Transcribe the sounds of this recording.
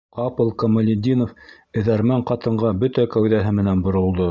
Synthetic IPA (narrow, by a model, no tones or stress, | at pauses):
qɑpɤ̆lˠkomŏlʲɪd̪ʲinof | ɘ̆ðæɾmæɴqɑt̪ɤ̆ɴɢɑbɵt̪ækæwðæɦɘmɘ̆nænbŏɾŏlˠd̪o